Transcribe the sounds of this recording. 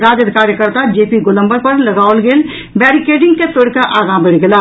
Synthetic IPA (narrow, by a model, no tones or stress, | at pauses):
ɾaːd͡ʒəd̪kaːɾjəkəɾt̪ad͡ʒeːpiɡolə̃mbəɾpəɾləɡaːʋəlɡeːl | bɛːɾikeːɖɪ̃ŋɡket̪oɽkaʔaːɡãbeɽɡəla